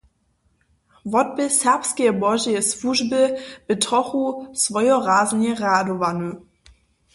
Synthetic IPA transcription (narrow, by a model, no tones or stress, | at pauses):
vɔt̚bɪsɛɐpskeəbɔʒiəsvuʒbəb̥ətʁɔχusvɔjɔʁaːznəʁaːdovanu